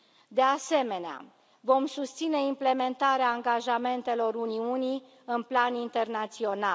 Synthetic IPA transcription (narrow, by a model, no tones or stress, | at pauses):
d̪e̞ase̞me̞nea̰ | vo̞msust̪sine̞imple̞me̞nt̪aɾeaːŋɡaʒame̞nt̪e̞lo̞runiunij | ɨnplanint̪e̞rnat̪sio̞na